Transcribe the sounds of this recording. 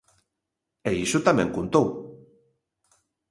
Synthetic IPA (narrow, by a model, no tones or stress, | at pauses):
eiʃut̪amẽŋkunt̪ow